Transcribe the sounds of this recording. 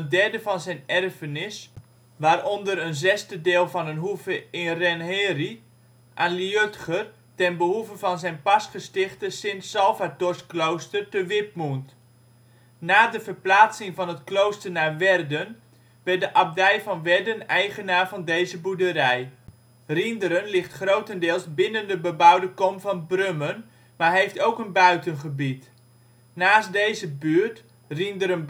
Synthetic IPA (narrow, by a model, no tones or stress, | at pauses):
əndɛɹdəfɑnzɛjnɛrfənɪs | ʋaːrondərənzɛstədɪːlˠfɔnənɦuvəɪnrɛnɦɪːri | ʔanliøtχər | tɛnbəɦuvəvɑnzɛjnpɑsχəstɪχtəsɪnsːɛlˠfatɔrsklowstərtəʋɪp̚munt | naːdəvərplaːt͡sɪŋvɑnətklowstərnaːɹʋɛrdən | ʋɛrt̚dəʔap̚dɛjvɑnʋɛrdənɛjχənaːvɑndejzəbudəɾɛj | rindəɾənlɪχtχrowtəndɪːlˠsbɪnəndəbəbawdəkɔmfɑnbrømən | maːɹɦejftowkənbœɥtənχəbit | naːsdejzəbyːrt | rindəɾən